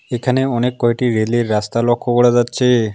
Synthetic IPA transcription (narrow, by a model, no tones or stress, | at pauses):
ekʰaneɔnekːɔɦiʈiɾeleɾːast̪alɔkʰːɔɡɔɽad͡ʒatːt͡ʃʰe